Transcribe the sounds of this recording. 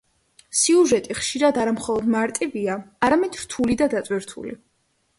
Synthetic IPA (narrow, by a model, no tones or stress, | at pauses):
siuʒɛt̪ʼiχʃiɾad̪aɾamχɔlˠɔd̪maɾt̪ʼiviaaɾamɛd̪ɾt̪ʰulid̪ad̪at̪sʼwiɾt̪ʰṵlḭ